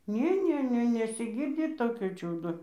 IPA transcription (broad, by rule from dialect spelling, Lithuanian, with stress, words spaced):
ˈnʲeː ˈnʲeː ˈnʲɛ nʲɛsʲɪˈɡʲɪrʲdʲɪ ˈtoːkʲoː ˈt͡ʃʲuːdoː